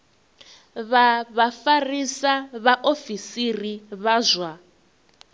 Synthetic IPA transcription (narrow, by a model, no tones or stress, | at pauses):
βaβafarisaβaʔofisiriβazʷwa